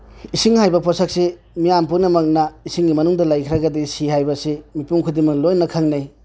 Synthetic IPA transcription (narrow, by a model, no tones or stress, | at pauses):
isiŋhajbɐpʰɔsak̚se | mijampunɐmɐk̚nɐisiŋɡimɐnuŋdɐlajkʰɾɐɡɐdisihajbɐsimipuŋkʰudiŋmɐlojnɐkʰaŋnaj